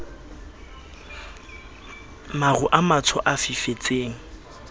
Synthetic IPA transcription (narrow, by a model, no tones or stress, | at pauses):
marʊʔamat͡sʰɔʔafifet͡sʼeːŋ̩